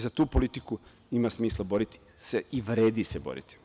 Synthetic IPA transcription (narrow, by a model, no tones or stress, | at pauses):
zat̪uːpo̞lit̪iku | imasmiːslˠabo̞ɾit̪i̥ | seiʋɾeːd̪isebo̰ɾḭt̪i̥